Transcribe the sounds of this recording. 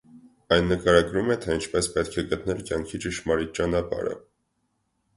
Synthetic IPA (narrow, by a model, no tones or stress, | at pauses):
ɑjnːəkɑɾɑɡɾumɛt̪ʰɛint͡ʃʰpɛspɛt̪kʰɛɡət̪nɛlkjɑŋkʰit͡ʃəʃmɑɾit͡ʃɑnɑpɑ̰ɾə̰